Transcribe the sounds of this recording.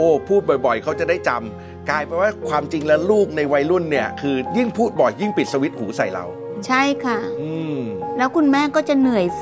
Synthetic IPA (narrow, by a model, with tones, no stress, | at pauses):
ʔoː˧˩pʰuː˥˩t̪̚bɔ˨˩jbɔ˨˩jkʰa˦˥wt͡ɕa˨˩daː˥˩jt͡ɕa˧m | kaː˧jpɛ˧nwaː˥˩kʰwaː˧mt͡ɕi˧ŋlɛ˦˥wluː˥˩k̚na˧jwa˧jlu˥˩nːi˥˩ɐkʰɯː˧ji˥˩ŋpʰuː˥˩t̪̚bɔ˨˩ji˥˩ŋpi˨˩t̪̚sa˧wi˦˥t̪̚huː˩˦sa˨˩jla̰˧w | t͡ɕʰa˥˩jkʰa˥˩ʔɯː˧mlɛː˦˥wkʰu˧nmɛː˥˩kɔː˥˩t͡ɕa˨˩nɯ˨˩əj